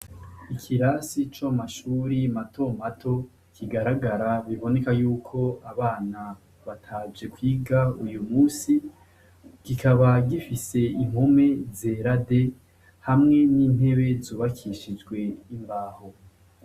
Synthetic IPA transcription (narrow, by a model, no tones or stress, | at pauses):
ikʰiɾasit͡ʃamaʃuːɾimatʰo̞m̥atʰo̞ | kʰiɡaɾaɡaɾaβiβo̞ne̞kajuːkʰo̞aβaːna | βatʰaːd͡ʒe̞kwiːɡaujumuːsi | ɡ̥ikaβaɡifise̞iŋ̥home̞ze̞ɾade̞ | hamŋe̞niːn̥e̞βe̞zuːβakʰiʃid͡ʒɡwe̞imbaːho̞